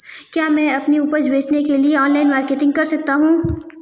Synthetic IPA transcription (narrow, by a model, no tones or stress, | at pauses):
kjaːmɛ̃ɐpniuːpəɾd͡ʒbeːt͡ʃnekelieɔːnlaːɪnmaːɾkeːʈɪ̃ŋɡ̚kɐɾsɐk̚t̪aɦũː